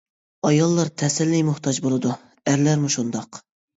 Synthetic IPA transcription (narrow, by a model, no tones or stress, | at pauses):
ɑjɑlˠːɑɾt̪ʰɛsɪlːɪjmʊht̪ʰɑd͡ʒbolˠɨd̪u | æɾlæɾmuʃund̪ɑq